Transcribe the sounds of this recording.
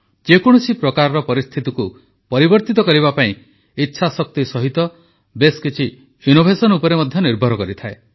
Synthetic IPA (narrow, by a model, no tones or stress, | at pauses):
d͡ʒekɔɽ̃usipɾɔkaɾɔɾɔpɔɾist̪ʰit̪iku | pɔɾibɔɾt̪it̪ɔkɔɾiβapaĩ | itːʃʰasɔk̚t̪isɔɦit̪ɔ | beskit͡ʃʰi | hjunobʱesɔnupɔɾemɔd̪ʱjɔniɾbʱɔɾɔkɔɾit̪ʰae